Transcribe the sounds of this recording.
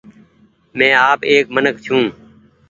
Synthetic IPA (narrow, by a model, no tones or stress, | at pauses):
mɛ̃ːaːpeːkmənəkt͡ʃʰũː